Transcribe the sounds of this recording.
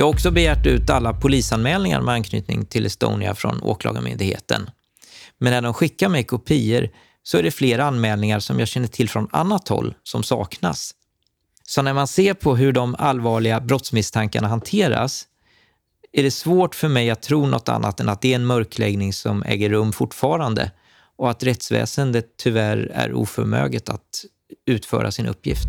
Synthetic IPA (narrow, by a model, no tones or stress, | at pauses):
jɑːhaɡɔksɔbɛjæːʈʉ̟ːt̪alːapʰʊliːsanmɛːlnɪŋa̰ɾmʔɛankʰny̰ːt̪nɪŋt̪ʰɪlʔɛst̪o̰ːnɪa̰fɾɔ̰no̰ːklɑ̰ːɡəmʏ̰nd̪ɪɡhḛːt̪ə̰n | mɛnːæd̪ɔmɧɪkːamɛjkʰʊpʰiːəɾ | sɔæɖɛfleːɾaanmɛːlnɪŋaɾsɔmjɑːɕɛnːəʈʰɪlfɾɔna̰nːat̪hɔ̰lːsɔmsɑ̰ːkna̰s | sɔnæɾmanseːɾpʰɔɦɵɖɔmalvɑːɭɪɡabɾɔt̪smɪst̪ʰaŋkaɳaɦant̪ʰeːɾa̰s | æɖɛsvoːʈfœɾmɛjat̪t̪ʰːɾuːnɔt̪ːa̰nːat̪ɛnat̪̚d̪ɛːɛnmœɾklɛɡnɪŋsɔmɛ̰ːɡəɾːɵmːfʊʈːfɑːɾand̪ə̰ | ʔɔat̪ɾɛt̪svɛ̰ːsənd̪ət̪ʰːʏvæɾæ̰ɾṵːfœɾmø̰ːɡlɪt̪a̰t̪ | ʉ̟ːt̪fœ̰ːɾʔa̰sɪnʔɵ̰pʰːjɪ̰ft̪